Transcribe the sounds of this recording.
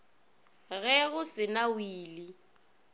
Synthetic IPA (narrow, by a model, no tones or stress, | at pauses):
ɣɛɣʊsɪnawiːli